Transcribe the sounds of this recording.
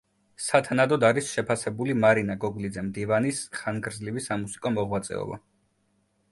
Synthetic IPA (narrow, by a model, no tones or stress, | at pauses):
sat̪ʰanad̪ɔd̪aɾisʃɛpʰasɛbulimaɾinaɡɔɡlid̪zɛmd̪ivanisχanɡɾdzlivisamusi̥kʼɔmɔʁwat̪sʼɛ̰ɔ̰ba̰